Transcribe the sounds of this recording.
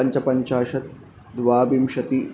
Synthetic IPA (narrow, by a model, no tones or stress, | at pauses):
ɐɲt͡ʃɐpɐɲt͡ʃaːʃɐt̪ | d̪ʋaːbimʃɐt̪i